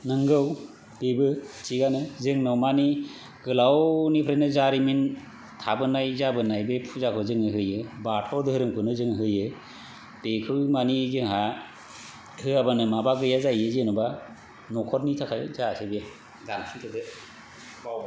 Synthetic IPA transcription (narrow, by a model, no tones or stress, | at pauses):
nɯŋɡɯw | b̥ebɯt͡ʃiɡanɯzɯŋnɔwmani | ɡ̥ɯlawnipʰɾenɯzaɾimin | tʰabɯnajzabɯnajbepʰuzakʰɯzɯŋɯɦɯjɯbatʰɔɾdɯɯɾɯmkʰɯnɯzɯŋɦɯjɯ | b̥ekʰɯmanizɯŋɦa | hɯabanɯmabaɡɯjazajɯzenuba | nɔkʰɔɾnitʰakʰajzatʰɯbe | ɡalsʰitʰɯdɯ